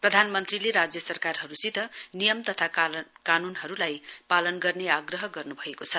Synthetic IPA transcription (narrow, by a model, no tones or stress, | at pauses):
prʌd̪ʱanmʌnt̪rileɾad͡zjʌsʌrkarɦʌɾusit̪ʌnijʌmt̪ʌt̪ʰakanunɦʌɾulajpalʌnɡʌrneaɡrʌɦʌɡʌrnubʱʌekot͡sʰʌ